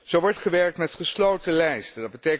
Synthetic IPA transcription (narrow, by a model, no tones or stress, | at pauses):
z̥owʋɔɹtχəʋɛɹk̚tmɛtχəslowtəlɛjstədɑd̚bətej